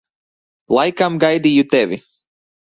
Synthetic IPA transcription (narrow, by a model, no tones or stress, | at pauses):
lajkãmɡajd̪ijut̪ɛvi